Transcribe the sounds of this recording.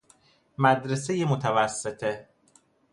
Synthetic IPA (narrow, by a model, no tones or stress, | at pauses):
mæd̪ɾesejemot̪ʰævæsːet̪ʰe